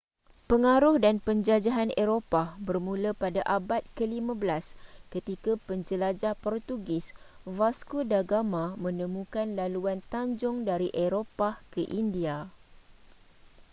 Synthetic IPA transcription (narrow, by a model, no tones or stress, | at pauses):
pəŋaɾʊhdanpəɲd͡ʒad͡ʒaɦaneɾopabərmũləpadaʔabat̪̚kəlimãbəlaskət̪ikapəɲd͡ʒəlad͡ʒahpɔrt̪uɡɪsvaskudaɡamãmə̃nə̃mũkanlaluant̪aɲd͡ʒʊŋdaɾiʔeɾopakəʔindia